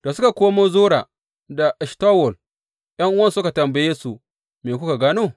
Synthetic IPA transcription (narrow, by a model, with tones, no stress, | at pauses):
d̥a˨sʊ˦ka˨kʷoː˦moː˦zoː˦ɽa˨ | da˨ʔɛ˨ʃta˦wɔ˨l | j̰ɐ˦ŋʔʊ˦wɐ˦nsʊ˦ka˨tɐ˨mba˦je˦su˨ | me˨kʷʊ˦ka˨ɡaː˦noː˦